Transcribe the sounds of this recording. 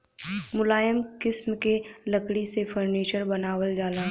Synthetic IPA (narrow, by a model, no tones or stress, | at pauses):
mʊlaːjəmkɪsmkelɐkɽisefʰəɾniːt͡ʃəɾbɐnaːwəld͡ʒaːlaː